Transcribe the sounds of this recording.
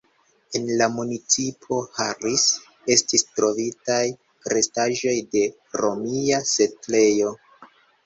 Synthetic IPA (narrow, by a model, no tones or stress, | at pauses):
e̞nlamunit͡sipʰo̞haɾis | e̞stistɾo̞vitaj | kɾe̞staʒo̞jde̞ | ɾo̞miase̞tle̞jo̞